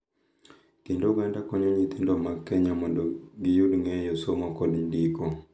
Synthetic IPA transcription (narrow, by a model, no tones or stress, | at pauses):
kindouɡandakɔɲɔɲit̪indɔmakɛɲamɔdɔɡijudŋɛjɔsomɔkɔdindikɔ